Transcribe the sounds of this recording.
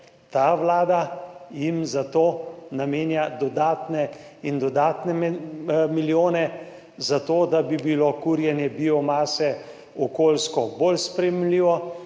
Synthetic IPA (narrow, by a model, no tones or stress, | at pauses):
t̪aʋlaːd̪ajimzat̪oːnameːnjad̪ɔd̪aːt̪nɛind̪ɔd̪aːt̪nɛmmiljoːnɛ | zat̪oːd̪abibilokuːɾjɛnjɛbiɔmaːsɛ | ɔkoːlskɔbolspɾɛjɛmliːʋɔ